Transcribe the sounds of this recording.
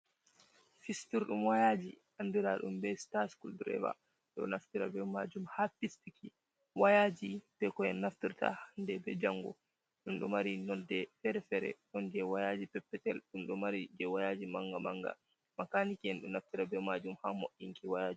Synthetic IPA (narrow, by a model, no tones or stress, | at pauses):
fistuɾɗumwajad͡ʒiʔanːdiɾaɗṵmbɛstaskuldɾɛ̰va̰ | ɗɔ̰naftiɾa̰bɛmad͡ʒumhafistiki | wajad͡ʒibɛkɔjɛnːaftiɾta̰handɛbɛd͡ʒaŋɡɔ̰ | ɗumɗɔ̰maɾinɔldɛfɛɾɛfɛɾɛ̰ɗɔnd͡ʒɛwajad͡ʒipɛpːɛtɛlɗumɗumaɾid͡ʒɛwajad͡ʒimaŋɡamaŋɡa̰ | makanikɛnɗunaftiɾabɛmad͡ʒumhamoʔiŋkiwajad͡ʒi